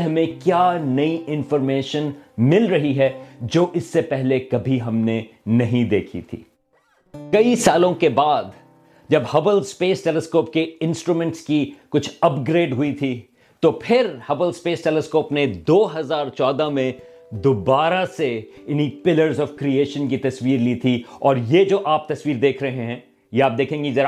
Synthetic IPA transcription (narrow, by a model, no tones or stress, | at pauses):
ɦɐmẽkjaːnɐiʔɪ̃nfɔːɾmeːʃənmɪlɾɐɦiɦɛd͡ʒoːʔɪsːepɛɦlekɐbʱiɦɐmnenɐɦĩd̪eːkʰḭt̪ʰḭː | kɐisaːlõkebaːd̪ | d͡ʒɐbhɐbəlspeːsʈɛːlɛskoːp̚keɪ̃nsʈɾuːmɛ̃ɳʈskikʊt͡ʃʰɐpɡɾeːɖɦʊit̪ʰi | t̪opʰɪɾhɐbəlspeːsʈɛːlɛskoːpned̪oːɦɐzaːɾt͡ʃɔːd̪amẽ | d̪ʊbaːɾaseɪnɦipɪləɾzɔːfkɾieːʃənkit̪ɐsʋiːɾliːt̪ʰiɔːɾjed͡ʒoːʔaːp̚t̪ɐswiːɾd̪eːkʰɾɐɦẽɦɛ̃ː | jeaːp̚d̪eːkʰẽːŋɡizɐɾa